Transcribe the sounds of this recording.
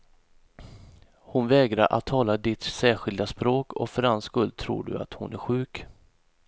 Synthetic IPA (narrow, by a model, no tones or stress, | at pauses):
hʊnvɛːɡɾaɾʔa̰t̪ʰːɑːlad̪ɪt̪sæːɧɪld̪aspɾoːkʰɔ̰fœɾhanskɵld̪̚t̪ʰɾṵːɖɵ̰a̰t̪hʊnʔæɾɧʉ̟ːk